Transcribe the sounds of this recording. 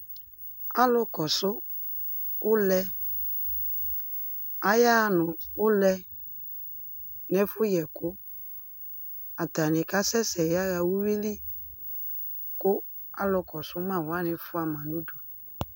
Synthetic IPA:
a˦lʊ˦kɔ˨sʊ˦ | ʊ˦lɛ˦ | a˦ja˦˨nʊ˨ʊ˦lɛ˦ | nɛ˦fʊ˦jɛ˨kʊ˦ | a˨ta˨nɪ˨ka˦sɛ˦sɛ˨ja˦ɣa˨wu˦wi˦li˦ | kʊ˦ | a̰˦lʊ˧kɔ˨sʊ˦mã˦˨wa˦nɪ˧fʊ˦a˨mã˨nu˦du˨

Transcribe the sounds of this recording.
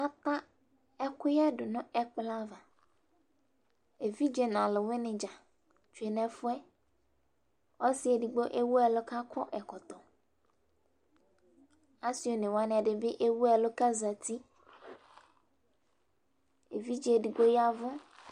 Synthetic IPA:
a˦t̪a˦ | ɛ˦kʊ˦ja˦ɖʊ˨nʊ̃˦ɛ˦k͡pla˦va˨ | e˨vi˦d͡ʒe˨nã˨lɪ˨wɪ˦nɪ̃˨d͡ʒa˨ | t͡ʃu˨e˨nɛ̃˨fʊ˦ɛ˦ | wa˦si˦e˨ɖi˨ɡ͡bo˦ʔe˦wo˦ɛ˨lʊ˦ka˦kʰɔ˦ʔɛ˨kɔ˨t̪ɔ˨ | a˦si˨˦o˦nɪ̃˨wa˦ñ˨a˨ɖɪ˨bɪ˦ʔe˦wu˦ɛ˨lʊ˦ka˦za˨t̪i˦ | e˨vi˦d͡ʒi˨˦e˨di˨ɡ͡bo˦ja˦vʊ˦

